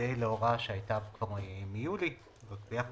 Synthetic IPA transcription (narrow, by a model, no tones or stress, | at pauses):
ejleoʁaʃeajt̪akvaʁmijuli | ʁakbejaχ